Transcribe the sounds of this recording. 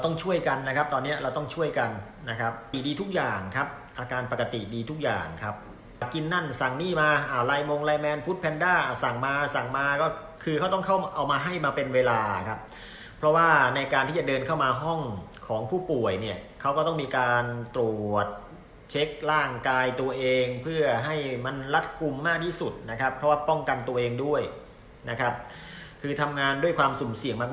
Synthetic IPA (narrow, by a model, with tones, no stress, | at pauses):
ɾa˧t̪ɔ˥˩ŋt͡ɕʰu˥˩əjka˧nːa˦˥kʰa˦˥p̚t̪ɔː˧nːi˦˥ɐ˩ɾa˧wt̪ɔ˥˩ŋt͡ɕʰu˥˩əjka˧nː | a˦˥kʰa˦˥p̚i˨˩diː˧t̪ʰu˦˥k̚jaː˨˩ŋkʰa˦˥p̚ | ʔaː˧kaː˧npa˨˩ka˧t̪i˨˩diː˧t̪ʰu˦˥k̚ja̰ː˨˩ŋkʰa˦˥p̚ | ki˧nːa˥˩nsa˨˩ŋniː˥˩maː˧ʔa˧˩laː˧jmoː˧ŋlaː˧jmɛː˧nfuː˦˥t̪̚pʰɛː˧ndaː˥˩sa˨˩ŋmaː˧sa˨˩ŋmaː˧kɔː˥˩ | kʰɯː˧kʰa˦˥wt̪ɔ˥˩ŋkʰa˥˩wʔa˧wmaː˧ɦa˥˩jmaː˧pe˧nweː˧laː˧kʰa˦˥p̚ʰː | ɾɔ˦˥waː˥˩na˧jkaː˧nt̪iː˥˩t͡ɕa˨˩dɤː˧nkʰa˥˩wmaː˧ɦɔ˥˩ŋkʰɔː˩˦ŋpʰuː˥˩pu˨˩əjni˥˩ɐkʰa˦˥wkɔː˥˩t̪ɔ˥˩ŋmiː˧kaː˧nt̪ɾu˨˩ət̪̚ | t͡ɕʰe˦˥k̚ɾaː˥˩ŋkaː˧jt̪u˧ɐʔeː˧ŋpʰɯ˥˩ɐɦa˥˩jma˧nla˦˥t̪̚ku˧mːaː˥˩k̚t̪ʰiː˥˩su˨˩t̪̚na˦˥kʰa˦˥pʰːɾɔ˦˥waː˥˩pɔ˥˩ŋka˧nt̪u˧ɐʔeː˧ŋdu˥˩əj | na˦˥kʰa˦˥p̚ | kʰɯː˧t̪ʰa˧mŋaː˧ndu˥˩əjkʰwaː˧msu˨˩˦msi˨˩əŋmaː˥˩